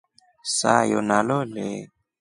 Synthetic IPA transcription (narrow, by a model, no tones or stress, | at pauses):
sajonalole